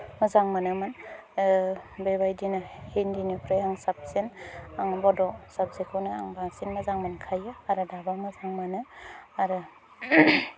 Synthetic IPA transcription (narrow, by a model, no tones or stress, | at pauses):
mɐzaŋmanɯman | bebajdinahendinipʰɾajaŋsap̚senaŋbɔdɔsap̚zekʰownɯa̰ŋbaŋsinmɐzaŋmankʰajɯaɾɯdabamazaŋmanɯaɾɯ